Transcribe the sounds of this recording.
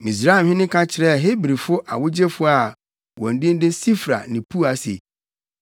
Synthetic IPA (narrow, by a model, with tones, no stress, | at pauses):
mĩ˨s̬ɾa˦ɛ˨hɪ̃˦nɪ̃˦kʰã˦t͡ɕʰɪ˨ɾɛ˦˨ɦe˦bɾi˨fʊ˦ʔa˨wʊ˦d͡ʑe˦fʊ˦a˨ | wɔ̃˨n̩˨dɪ̃˦n̩˦dɪ˦si˦fɾa̰˨nɪ̃˨pʰu˦a˨sḛ˨